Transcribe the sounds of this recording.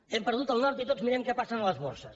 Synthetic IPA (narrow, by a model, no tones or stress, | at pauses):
ɛmpəɾðut̪əlˠnɔɾt̪it̪ozmiɾɛmkɛpasənələzβoɾsəs